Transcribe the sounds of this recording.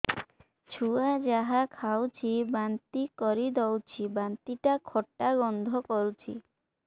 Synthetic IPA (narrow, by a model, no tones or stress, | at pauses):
t͡ɕʰuad͡ʑaɦakʰawt͡ɕʰibant̪ikɔɾid̪ɔwt͡ɕʰibant̪iʈakʰɔʈːaɡɔnd̪ʱokoɾt͡ɕʰḭ